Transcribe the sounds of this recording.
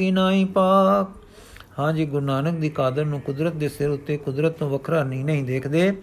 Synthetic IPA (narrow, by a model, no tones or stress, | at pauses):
iːnaːĩːpaːk̚ | hãːd͡ʒiːɡʊɾnaːnək̚d̪iːkaːd̪əɾnũːkʊd̪ɾət̪̚d̪eːsɪɾʊt̪ːeːkʊd̪ɾət̪t̪õːʋəkʰɾaːɾniːnəɦĩːd̪eːkʰd̪eː